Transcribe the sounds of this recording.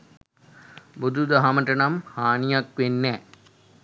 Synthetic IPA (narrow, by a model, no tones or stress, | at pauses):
bud̪ʱud̪əɦaməʈənamhaːnijakʋenːɛː